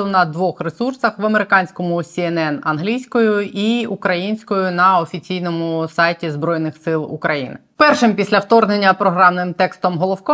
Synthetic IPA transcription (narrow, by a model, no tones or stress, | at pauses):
ʊnɐd̪ʋɔxresursɐxʋɐme̞ɾɪkɑnʲsʲkɔmʊsʲiɛnɛnɐnɦlʲijsʲkɔjʊiukɾɐjinʲsʲkɔjʊnɐɔfʲit͡sʲijnɔmʊsɑjtʲizbɾɔjnɪxsɪlˠṵkɾɐjḭnɪ | pɛrʃɪmpʲisʲlʲɐwt̪ɔrnenʲːɐpɾɔɦɾɑmnɪmt̪ɛkst̪ɔmɦɔlˠɔwkɔ